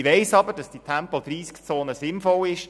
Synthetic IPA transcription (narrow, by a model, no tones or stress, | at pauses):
iʋɛɪsɑbəɾdɑsd̥itʰæmpɔd̥̪riːskt͡soːnəzɪnfɔlɪʃ